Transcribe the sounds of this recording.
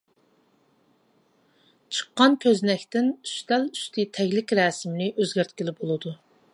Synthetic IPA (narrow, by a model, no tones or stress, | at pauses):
t͡ʃʰə̥qːɑnkʲʰøznɛkʲt̪ɪny̥ʃt̪ɛly̥ʃt̪ʰɪt̪ʰɛɡʲlɪkʲɾɛːsɪmnɪʔøzɡʲæɾt̪ʲkʲilɪpbolˠɨd̪u